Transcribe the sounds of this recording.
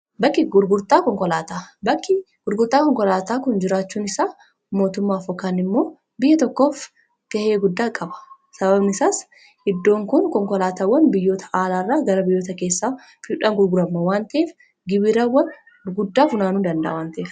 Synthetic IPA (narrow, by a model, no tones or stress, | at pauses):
bɐkːɪɡʊɾɡʊɾt̪ʼaːkɔŋkɔlaːt̪aːbɐkːɪ | ɡ̥ʊɾɡʊɾt̪ʼaːkɔŋkɔlaːt̪aːkʊnd͡ʒɪɾaːt͡ʃːuːnɪsaː | mo̞ːt̪ʊmːaːfɔkaːnɪmːo̞ː | bɪjːɐt̪ɔkːo̞ːf | t̪ɐheːɡʊd̪ːaːkʼɐbɐ̥ | sɐbɐbnɪsaːs | ʔɪd̪ːo̞ːŋkʊnkɔŋkɔlaːt̪aːwɐnbɪjːoːt̪ɐ̥ʔaːlaːrːaːɡɐɾɐbɪjːo̞ːt̪ɐkeːsːaː | fɪᶑaːŋɡʊɾɡʊɾɐmːɐwaːnt̪ɐeːf | ɡɪbɪɾaːwɐn | ɡʊd̪ːaːfʊnaːnuːd̪ɐnd̪ɐ̰ʔːwaːnt̪ɐeːf